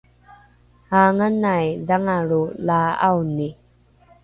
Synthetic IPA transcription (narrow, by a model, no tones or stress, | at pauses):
haːŋənajdaŋaɾulaːa̰wni